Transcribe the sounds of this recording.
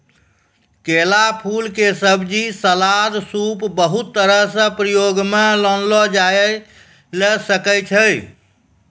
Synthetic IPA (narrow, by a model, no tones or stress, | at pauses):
kelapʰulkesəbd͡ʒisəlad̪supbəɦut̪ːəɾəɦsə̃pɾəjoɡmelənlɔd͡ʒaj | lɛsəkəjt͡ʃʰəj